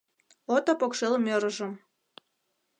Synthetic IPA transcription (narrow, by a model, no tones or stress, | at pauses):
ot̪ɑpokʃelmøɾə̆ʒə̆m